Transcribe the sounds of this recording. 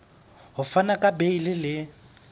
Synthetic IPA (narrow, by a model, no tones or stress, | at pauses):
ɦʊfanakʼabeilɪlɪ